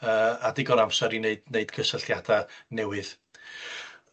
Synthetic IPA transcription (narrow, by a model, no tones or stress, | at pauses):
əːadɪɡɔnamsɛɾineɨdneɨd̥kʰəsəɬjadanɛwɨð